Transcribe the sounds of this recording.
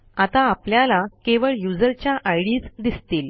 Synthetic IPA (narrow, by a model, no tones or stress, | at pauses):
at̪aːpljalakeʋəɭjud͡zəɾt͡ɕjaʔajɽiːt͡sd̪ist̪iːl